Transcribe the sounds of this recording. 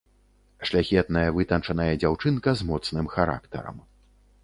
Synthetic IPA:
ʂlʲaxʲɛt̪nɐjɐvɨt̪ɐnt͡ʂɐnɐjɛd͡zʲawt͡ʂɨnkɐzmɔt̪snɨmxaɾa̰kt̪ɐ̰ɾɐ̰m

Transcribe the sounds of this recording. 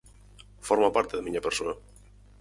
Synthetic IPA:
foɾmapaɾt̪eðemiɲapeɾsoɐ

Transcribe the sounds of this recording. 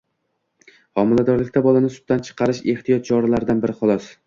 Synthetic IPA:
hɒmɪlad̪ɒɾlɪkʲt̪abɒlanɪsʊ̥t̪̚t̪ant͡ʃʰɨ̥qʰɑɾɪʃe̞ht̪ijɒt̪̚t͡ʃʰɒɾalaɾɪd̪anbɪɾɪχɒlˠɒs

